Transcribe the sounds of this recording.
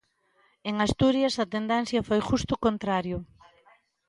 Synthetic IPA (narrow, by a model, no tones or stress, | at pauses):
eŋast̪uɾjɐsɐt̪end̪ɛn̟θjɐfojʃust̪ʊkont̪ɾaɾjʊ